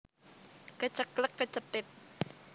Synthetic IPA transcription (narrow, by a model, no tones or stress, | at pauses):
kət͡ʃəkləkːət͡ʃət̪ɪt̪̚